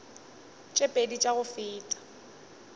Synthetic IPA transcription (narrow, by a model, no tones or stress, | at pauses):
t͡ʃʼepʼedit͡ʃʼaɣʊfɪːtʼḁ